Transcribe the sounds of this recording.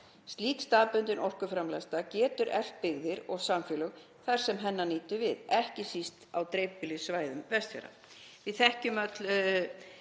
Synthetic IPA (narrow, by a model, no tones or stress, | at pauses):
st̪liːk̪st̪aːpʏnt̪ɪnʔɔl̥kʏfɾamlɛst̪acɛːt̪ʏɾʔɛ̰l̥t̪̚pɪɣðɪɾɔɣsamfjɛlʏɣ | θaɾ̥sɛmɦɛnːaniːt̪ʏvɪðɛhcɪsist̪awt̪ɾejpɪlɪsvaːjðʏmvɛst̪fɛ̰ɾa̰ | vɪðθɛhcʏmat̪l